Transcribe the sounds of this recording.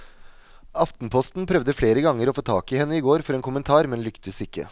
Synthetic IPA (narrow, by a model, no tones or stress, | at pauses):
ɑft̪n̩pʰɔst̪n̩pʰɾœʋd̪əfleːɾəɡɑŋəɾoːfoːt̪ʰɑːkɪhɛnːəɪːɡoːɾfɔɾeːnkʰʊmənt̪ʰɑːɾmɛnlʏkt̪əsɪkːə̰